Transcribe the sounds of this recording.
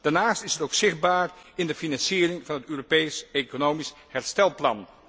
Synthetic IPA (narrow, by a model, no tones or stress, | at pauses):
d̥aːɹnaːstɪsɦətowksɪχd̚baːrɪndəfinɑnsiːrɪŋvɑnɦətøːropejsejkonowmis | ɦɛɹstɛlˠplɑ̰n